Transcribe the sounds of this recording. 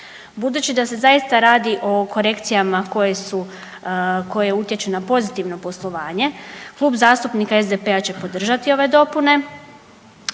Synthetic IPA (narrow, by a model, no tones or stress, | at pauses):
bud̪uːt͡ɕid̪ase̞zajist̪aɾaːd̪iʔo̞ko̞ɾe̞kt̪sijamako̞jesu | ko̞jeeut̪je̞t͡ɕunapo̞zit̪iʋno̞po̞slˠo̞ʋaːɲe̞klˠuːbzaːst̪upnikae̞zd̪epe̞at͡ɕe̞po̞d̪r̩ʒat̪io̞ʋe̞d̪o̞pune̞